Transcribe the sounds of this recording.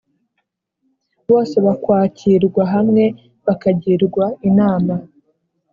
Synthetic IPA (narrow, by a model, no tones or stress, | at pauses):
βo̞ːse̞βakwaːciɾɡwaɦamŋe̞ | βakaɟiɾɡwainaːma